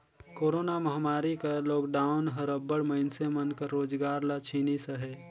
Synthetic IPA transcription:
koːɾoːnaməɦmaːɾikaloːkɖaːʊnɦəɾəbːəɽməɪnsemənkəɾːoːd͡ʒɡaːɾlat͡ʃʰiːnisəɦɛː

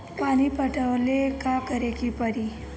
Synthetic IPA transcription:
pañipəʈʰəʋlekakəɾekipəɾi

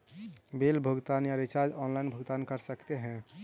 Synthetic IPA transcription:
belbʱəɡt̪anjaɾit͡ʃaɾd͡ʒɔnlainbʱəɡt̪ankəɾsəkt̪eɦɛ̃

